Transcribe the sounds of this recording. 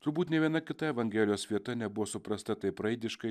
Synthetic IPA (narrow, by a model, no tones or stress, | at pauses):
t̪ʊɾbuːt̪nʲɛʋʲiɛnɐkʲɪt̪ɐɛʋɐŋʲɡʲɛlʲɪjoːsʋʲiɛt̪ɐnʲɛbʊʋoːsʊpɾɐst̪ɐt̪ɐɪpɾɐɪd̪ʲɪʃkɐɪ